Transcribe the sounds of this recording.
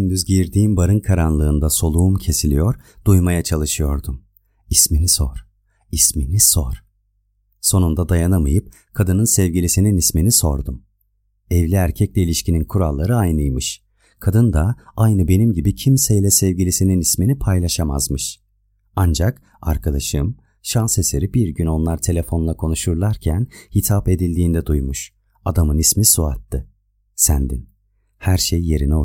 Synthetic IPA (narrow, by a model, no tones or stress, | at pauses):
ynd̪yzɟiɾd̪iːmbaɾɯnkʰaɾanlˠɯːnd̪aso̞lˠuumcʰe̞silʲijo̞ɾd̪̥ujmajat͡ʃʰalˠɯʃɯjo̞ɾd̪um | isminisoɾ̥ | isminisoɾ̥ | so̞nund̪ad̪ajanamɯjɯp̚ | kʰad̪ɯnɯnsɛvɟilʲisininisminiso̞̰ɾd̪um | ɛvlʲiæɾcʰɛclʲɛilʲiʃcininkʰuɾalˠːaɾɯajnɯjmɯʃ | kʰad̪ɯnd̪aajnɯbe̞nimɟibicʰimsɛjlʲɛsɛvɟilʲisininisminipʰajlˠaʃama̰zmɯʃ | and͡ʒak | a̰ɾkʰad̪aʃɯm | ʃanseseɾibiɾɟyno̞nlˠaɾt̪ʰe̞lʲe̞fo̞nlˠakʰo̞nuʃuɾlˠaɾcʰænhit̪ʰape̞d̪ilʲd̪iːnd̪ɛd̪ujmuʃ | ad̪amɯnismisua̰t̪ʰːɯ | sænd̪in | hæɾʃejːe̞ɾinɛo